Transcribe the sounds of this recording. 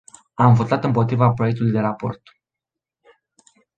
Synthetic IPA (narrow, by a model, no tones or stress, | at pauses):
amvo̞t̪at̪ɨmpo̞t̪ɾivapɾo̞jek̚t̪ulujd̪e̞ɾapo̞̰rt̪